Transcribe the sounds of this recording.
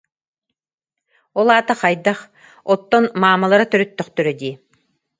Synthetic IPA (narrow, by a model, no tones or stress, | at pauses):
ɔlˠaːt̪aqɑjd̪aχ | ɔt̪ːɔnmaːmalˠaɾat̪œɾœt̪ːœχt̪œɾœd̪iː